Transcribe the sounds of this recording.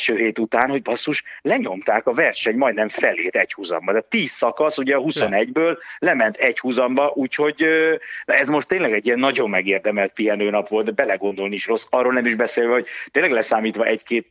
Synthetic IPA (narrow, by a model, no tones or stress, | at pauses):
ʃøːɦeːt̪ut̪aːnho̞ɟbɒsːuʃlɛɲo̞mt̪aːkɒvɛrʃɛɲmɒjd̪nɛɱfɛleːt̪ɛchuzɒ̰mbɒd̪ɛt̪iːsːɒkɒsuɟɛɒɦuso̞nɛɟbøːllɛmɛnt̪ʰɛchuzɒmbɒʔuːcho̞ɟønɛzmo̞ʃt̪ːeːnlɛɡɛɟːijɛnːɒɟo̞mːɛɡeːrd̪ɛmɛlt̪̚piɦɛnøːnɒpʋo̞lt̪bɛlɛɡo̞nd̪o̞lnieʃro̞sːɒrːolnɛmiʒbɛseːlvɛho̞ɟ̚t̪eːnlɛɡlɛsaːmiːt̪ʋɒʔɛckeːt̪